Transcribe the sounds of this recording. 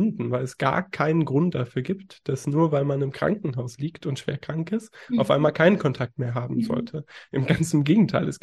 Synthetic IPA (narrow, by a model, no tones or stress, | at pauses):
ndn̩vaɪlɛsɡ̥a̰ːɐkʰaɪnənɡʁʊnt̚d̥afyːɐɡiːptd̥asnuːɐvaɪlmanɪmkʁ̥a̰ŋkŋ̩ɦaʊsliːktʊntʃv̥ḛːɐkʁ̥aŋkɪstaʊfʔa̰ɪnmaːlkʰaɪnənkʰɔntʰak̚tmeːɐɦaːbm̩zɔ̰ltʰəʔɪmɡant͡sn̩ɡeːɡŋ̩tʰaɪlʔɛ̰s